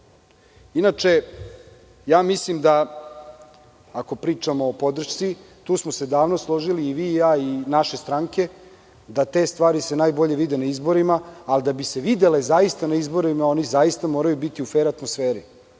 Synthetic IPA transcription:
inat͡ʂe̞ | jaːmislimd̪a | ako̞pɾiːt͡ʂamoːpo̞d̪r̩ʃt̪si | t̪uːsmose̞d̪aːʋnoslˠo̞ʒiliːʋiːjaːinaʃe̞st̪ɾaŋke̞ | d̪at̪e̞ːst̪ʋaːɾise̞najbo̞ʎe̞ʋid̪e̞naizbo̞ɾimaːld̪abise̞ʋid̪e̞lezaist̪anaizbo̞ɾimao̞nizajist̪amo̞ːɾajubit̪iufeːɾat̪mosfeːɾi

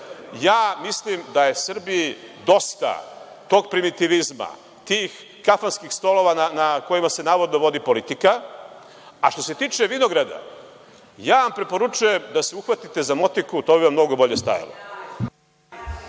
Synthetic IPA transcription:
jaːmislimd̪aje̞sr̩bijid̪o̞st̪a̰ | t̪o̞ːɡ̚pɾimit̪iʋizma̰ | t̪iːx | kafanskixst̪o̞lo̞ʋananako̞jimase̞naːʋod̪noʋo̞d̪ipo̞lit̪ika | aʃt̪o̞se̞t̪iːt͡ʃe̞ʋino̞ɡɾad̪a̰ | jaːʋampɾe̞po̞ɾut͡ʃuje̞md̪aseuxʋat̪it̪e̞zamo̞t̪ikut̪oːbiʋamno̞ɡo̞bo̞ʎe̞st̪a̰ja̰lo̰

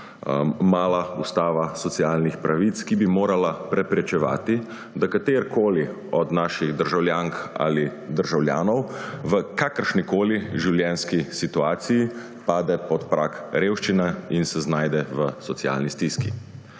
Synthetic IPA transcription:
maːlaust̪aːʋasɔt̪siaːlnixpɾʔaʋit̪skibimoːɾalapɾɛpɾɛt͡ʃɛʋa̰ːt̪i | d̪akat̪eːɾkoːli | ɔd̪naːʃiɣd̪əɾʒawljaːŋka̰lid̪əɾʒawlja̰ːnɔwʋəkakəɾʃnikoːliʒiwljɛnskisit̪uaːt̪siji | paːd̪ɛpɔt̪pɾʔakɾeːwʃt͡ʃinainsɛznaːjd̪ɛʋəsɔtsia̰ːlnist̪iskḭ

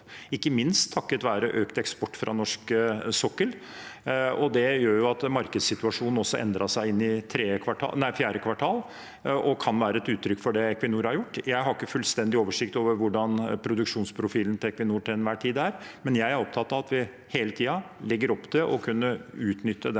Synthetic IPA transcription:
ɪkːəmɪnst̪ʰːɑkːət̪ʋæːɾəʔøːkt̪ɛkspɔʈːfɾʔɑ̰nɔʂksɔkːəl | ɔd̪ɛjøːɾjʊɑt̪mɑɾkəd̪sɪt̪ʉɑʂuːnn̩ɔsːɔʔɛ̰nd̪ɾɑsæɪɪnːɪt̪ʰɾeːkʰʋɑʈʰɑ̰ːnæɪfjæːɾəkʰʋɑʈʰɑːl | ʔɔkʰɑnʋæːɾəɛt̪ʉːt̪ʰːɾʏkːfɔɖɛɛkʰʋɪnuːɾhɑɾjʊʈːjæɪɦɑɾɪkːəfʉlst̪ɛnd̪ɪoːʋəʂɪkt̪oːʋəɾʋʊɖɑnpʰɾʊd̪ʉkʂuːnspʰɾʊfiːln̩t̪ɛkʋɪnuːɾʈɪɛnʋæːʈʰiːd̪æːɾmɛnjæɪæɾɔpt̪ʰɑt̪ːɑʋɑt̪ʋɪ | heːlət̪ʰiːɑlɛɡːəɾɔpːd̪ɛʔɔkʰʉnːəʉːt̪nʏt̪ːəd̪ɛ

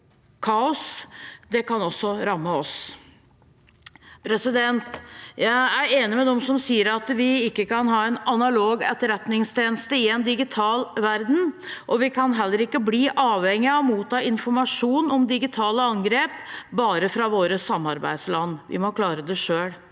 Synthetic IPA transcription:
kʰɑːʊsd̪ɛkɑnɔsːɔɾɑmːəɔs | pʰɾɛsɪd̪ɛnt̪jæɪæɾeːnɪmɛd̪ɛmsɔmsiːəɾɑt̪ʋɪɪkːəkɑnɦɑːɛnɑnɑloːɡɛ̰t̪ːəɾɛt̪nɪŋst̪ʰeːnəst̪əɪɛnd̪ɪɡɪt̪ʰɑːlʋæɾd̪n̩ʔɔʋɪkʰɑnɦɛlːəɾɪkːəbliːʔɑːʋhɛŋːɪɔmuːt̪ɑːɪnfɔɾmɑʂuːnɔmd̪ɪɡɪt̪ʰɑːləɑŋɡɾeːpbɑːɾəfɾɑʋoːɾəsɑmːɑɾbæ̰ɪd̪slɑnːʋɪ̰mɔkʰlɑːɾəd̪ɛʂøːɽ

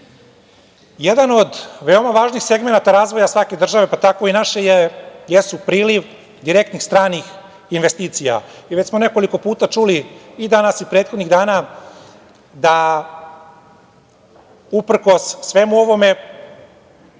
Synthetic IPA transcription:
jed̪ano̞d̪ʋe̞o̞maʋaːʒnixse̞ɡmenat̪aɾaːzʋo̞jasʋake̞d̪r̩ʒaʋe̞pat̪ako̞inaʃejejesupɾiːliʋ | d̪iɾe̞kt̪nixst̪ɾaːnix | inʋest̪iːt̪sija̰iʋe̞t͡ɕsmo̞ne̞ko̞liko̞puːt̪at͡ʂuliːd̪anasipɾeːt̪xod̪niɣd̪aːna | d̪a | upr̩ko̞sːʋe̞muo̞ʋo̞me̞

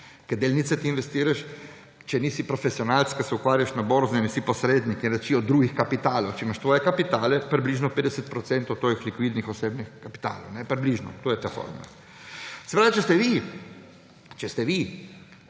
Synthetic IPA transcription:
kɛd̪eːlnit̪sɛt̪iːnʋɛst̪iːɾaʃ | t͡ʃɛnisipɾɔfɛsiɔnalt̪skasɛukʋaːɾjaʃnaboɾznɛnisipɔsɾeːd̪nikinɾɛt͡ʃiɔd̪ːɾuːɡixkapit̪aːlowt͡ʃɛimaʃt̪ʋoːjɛkapit̪aːlɛpɾibliːʒnɔpeːd̪ɛsɛt̪̚pɾɔt̪sɛnt̪ot̪ːʋoːjixlikʋid̪nixɔseːbnixkapi̥t̪a̰ːlo̰wnɛpɾibliʒnɔ̰t̪oːjɛt̪afo̰ɾma̰ | sɛ̥pɾaːʋt͡ʃɛst̪ɛʋi | t͡ʃɛst̪ɛʋi

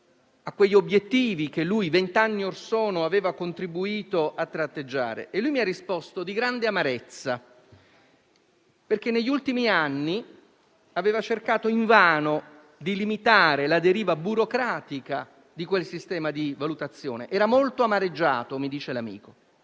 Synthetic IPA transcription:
akːweʎːobjet̪ːiːvikelːujvent̪anːiorsɔːnoaveːvakont̪ɾibuiːt̪oʔat̪ːɾat̪ːed͡ʒːa̰ːɾḛʔːlːujmiarːispɔst̪od̪iɡɾand̪eamaɾet̪sːa | perk̟enːeʎːult̪imianːi | aveːvat͡ʃerkaːt̪oiɱvaːno | d̪ilimit̪aːɾelad̪eɾiːvabuɾokɾaːt̪ika | d̪ikwelsist̪ɛːmad̪ivalut̪at̪sːjo̰ːneʔɛːɾamolt̪oamaɾed͡ʒːa̰ːt̪omid̪iːt͡ʃelamḭːko

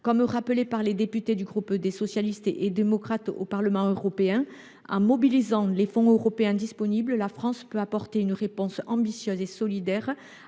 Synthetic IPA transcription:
kɔmʁapəlepaʁled̪epyt̪ed̪yɡʁupd̪esɔsjalist̪ʔed̪emɔkχat̪o̰paʁləmɑ̃øʁɔpeɛ̃ | ɑ̰̃mɔbilizɑ̃lefɔ̃øʁɔpeɛ̃d̪ispɔnibləlafχɑ̃spøapɔʁt̪eynʁepɔ̃sɑ̃bisjøzesɔlid̪ɛʁ

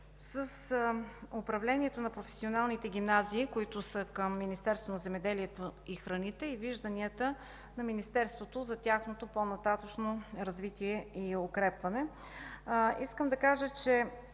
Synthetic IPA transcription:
səs | opɾɐvlɛniɛt̪onɐpɾofɛ̥sionalˠnit̪ɛɡ̟ʲimnaziːkoit̪ʊsəkəmːinist̪ɛɾst̪vonɐzɛmɛd̪ɛliɛt̪oixɾɐnit̪ɛiviʒd̪ɐniət̪ə | nɐminist̪ɛɾst̪vot̪ozɐt̪ʲaxnot̪oponɐt̪at̪ət͡ʃnoɾɐzvit̪iɛiokɾɛpvɐnɛ | iskəmd̪ɐkaʒət͡ʃɛ

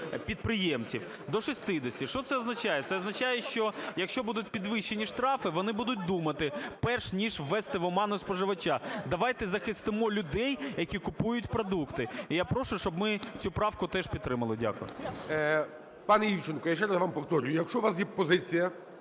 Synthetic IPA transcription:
pʲid̪̚pɾɪjemt͡sʲiw | d̪ɔʃɔsʲt̪ɪd̪ɪsʲtʲiʃt͡ʃɔt̪sɛɔznɐt͡ʃajɛt̪sɛɔznɐt͡ʃajɛʃt͡ʃɔjɐkʃt͡ʃɔbud̪ʊt̚ʲpʲid̪ʋɪʃːenʲiʃt̪ɾɑfɪʋɔnɪbud̪ʊt̚ʲd̪umɐt̪ɪpɛrʃnʲiʒːɛst̪ɪʋɔmɑnʊspɔʒɪʋɐt͡ʃad̪ɐʋɑjt̪ɛzɐxɪst̪ɪmɔlʲʊd̪ɛjjɐkʲikʊpujʊtʲpɾɔd̪ukt̪ɪijapɾɔʃʊʃt͡ʃɔbmɪt͡sʲupɾɑwkʊt̪ɛʃpʲid̪t̪ːɾɪmɐlˠɪdʲa̰kʊjɔ̰ | pɑnɛjiwt͡ʃɪnkɔjaʃɛɾɐzʋɑmpɔwt̪ɔɾʲjʊjɐkʃt͡ʃɔʋasjɛpɔzɪt͡sʲijɐ

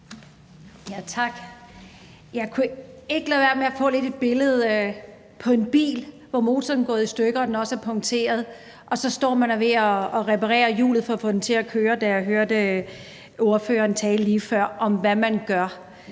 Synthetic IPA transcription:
jæt͡sʰɑ̈ɡ̥ | jɑ̈ɪkʰue̝ɡ̥ə̥lɛʋæɐ̥meɐfɔ̰̽ːle̝d̥e̝d̥̚b̥e̝ləð̞̩ˠ | pʰɒ̽e̝nb̥ḭːl | ʋɒmo̝ːt͡sʰɒːn̩ɡ̥ɔ̽ːð̩ˠisd̥øɡ̥əɒ̽denɒ̽səæɐpʰɒ̽ŋt͡sʰe̝̰ːɐð̞ˠ | ʔɒ̽sɒ̽sd̥ɒ̰ːmænʋe̝ɒ̽ːʁepʰɑ̈ʁɛ̰ːɐjṵːlð̞̩ˠfɒ̽ːfɔ̽d̥em̩t͡sʰe̝ækʰøːɐd̥æjɑ̈ɪɦøɐd̥ə | o̝ɐfø̰ːɐːnt͡sʰɛːləliːfɶɐ̰ʔɒ̽mʋæmænɡ̥ɶɐ

